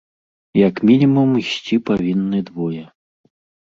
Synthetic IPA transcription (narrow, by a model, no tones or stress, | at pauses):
jɐkmʲinʲimumisʲt͡sʲipavʲinːɨd̪vɔjɛ